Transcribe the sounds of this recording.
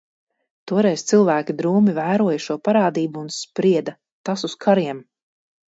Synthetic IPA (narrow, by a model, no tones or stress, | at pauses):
t̪uɔɾɛjst̪silˠvæːkʲid̪ɾuːmivæːɾuɔjaʃuɔpaɾaːd̪iːbuːnspɾiɛd̪a | t̪asuskʰaɾiɛm